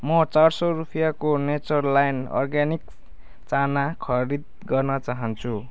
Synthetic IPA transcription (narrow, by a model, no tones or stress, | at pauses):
mʌt͡sarsʌrupʰijakonet͡sʌrlajnɔ̰rɡanik̚ | t͡sanakʰʌɾid̪̚ | ɡʌrnʌt͡saɦʌnt͡sʰu